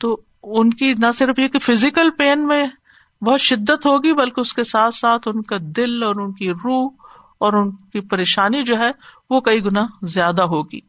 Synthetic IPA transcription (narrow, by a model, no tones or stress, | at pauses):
t̪oː | ʊnkinɐsɪɾfjekifɪzɪkəlpeːnmẽ | bɐɦʊt̪ʃɪd̪ːət̪ɦoːɡibɐlkeʊskesaːt̪ʰsaːt̪ʰʊnkad̪ɪlɔːɾʊnkiɾuːɦ | ɔːɾʊnkipɐɾeːʃaːnid͡ʒoːɦɛʋokɐiɡʊnaɦzjaːd̪aɦoːɡḭː